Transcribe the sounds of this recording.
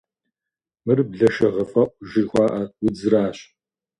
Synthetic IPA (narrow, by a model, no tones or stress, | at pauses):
mɨrbɮɐʃɐʁɐfʼɐʔʷʼʒɪxʷɑːʔɐwd͡zɨɾaːɕ